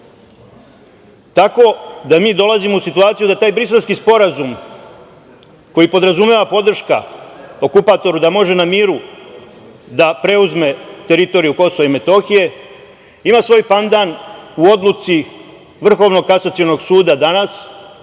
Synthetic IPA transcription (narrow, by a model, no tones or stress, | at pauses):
t̪ako̞d̪amiːd̪o̞lazimousit̪uaːt̪sijud̪at̪aːjbɾiselskispo̞ɾazum | ko̞jipo̞d̪ɾazume̞ʋapo̞d̪r̩ʃka̰o̞kupat̪o̞ɾud̪amo̞ʒe̞namiːɾu | d̪apɾe̞uzme̞t̪e̞ɾit̪o̞ɾijuko̞so̞ʋaime̞t̪o̞xije̞ | imaːsʋo̞ːjpand̪anuo̞d̪lˠut̪si | ʋr̩xo̞ʋno̞ɡ̚kasat̪siono̞ɡsuːd̪ad̪anas